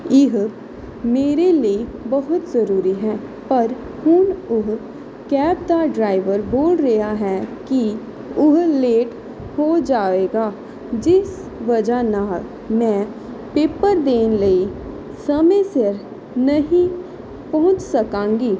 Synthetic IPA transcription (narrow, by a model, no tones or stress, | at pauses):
ɪɦ | meːɾeliebɐɦʊt̪zɐɾuːɾiɦɛː | pɐɾ | hʊnʊɦ | kɛːpt̪aɖɾaːɪʋəɾboːlɾɐɦaɦɛki | ʊɦleːʈ | hod͡ʒaːeːɡaː | d͡ʒɪs | ʋɐd͡ʒanaːl | mɛ̃ː | peːpəɾd̪eːnləi | sɐmə̃sɪɾ | nɐɦĩ | pɐɦʊ̃t͡ʃsɐkãːŋɡiː